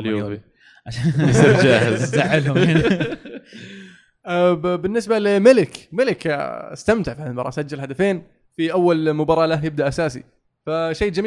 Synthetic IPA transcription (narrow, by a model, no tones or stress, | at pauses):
ljo̰ | ʕaʃaːsid͡ʒaːhɪzaʕɪlʊm | bɪnːɪsbalɪmɪlɪkmɪlɪkast̪amt̪ɪʕfanbɑ̰ɾˤɑ̰sad͡ʒːalhad̪afeːn | fiʔawːalmʊbɑɾˤɑːlahjɪb̚d̪aʔasaːsḭ | faʃeːd͡ʒamː